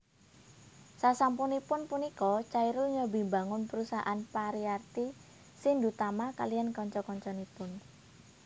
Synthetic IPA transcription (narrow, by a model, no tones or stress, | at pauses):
sasampunipʊnpunikɔt͡ʃaiɾʊlɲɔbi̤mbaŋʊnpəɾusaʔanpaɾiart̪i | sɪnd̪ut̪amaka̰lijankɔɲt͡ʃɔkɔɲt͡ʃɔnipʊn